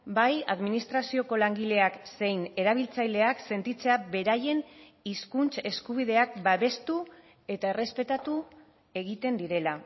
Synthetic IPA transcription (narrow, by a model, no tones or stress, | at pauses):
baja̰ðminist̪ɾasio̞ko̞laŋɡile̞akse̞jne̞ɾaβ̞ilt͡sajle̞akse̞nt̪it͡se̞abe̞ɾaje̞n | iskunt͡se̞skuβ̞ið̞e̞akbaβe̞st̪u | e̞t̪ae̞re̞spe̞t̪at̪u | e̞ɣ̞it̪e̞nd̪iɾe̞la